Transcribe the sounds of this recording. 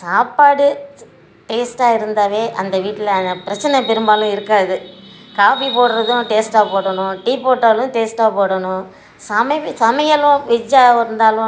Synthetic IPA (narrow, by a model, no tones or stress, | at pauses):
saːpaːɽɯ | ʈeːsʈaːɪɾɯnd̪aːʋeːʔɐnd̪ɐʋiːʈːɪlɐpɪɾɐt͡ʃːɐnɛpɛɾɯmbaːlʊ̃ɪɾɯkːaːðɯ | kaːʋipoːɽɯɾɐðʊ̃ʈeːsʈaːpoːɽɐɳʊ̃ʈiːpoːʈːɐːlʊ̃ʈeːsʈaːpoːɽɐɳʊ̃ | sɐmɐsɐmɐjɐlʊ̃ʋɪd͡ʒaːɪɾɯnd̪aːlʊ̃